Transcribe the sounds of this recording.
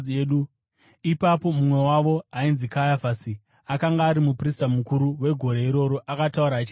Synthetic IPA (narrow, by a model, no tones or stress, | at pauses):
ɗu | ipapo̞mumwe̞waʋo̞ɦainzikajafasi | akaŋɡaːɾimupristamukuɾuwe̞ɡʱo̞ɾeiɾo̞ɾo̞ʔakatauɾaːt͡ʃi